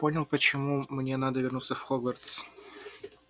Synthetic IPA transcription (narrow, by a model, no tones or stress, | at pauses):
po̞nʲɪlˠpət͡ɕɪmumnʲenad̪əvʲɪrnut̪səfxoɡlˠərt̪s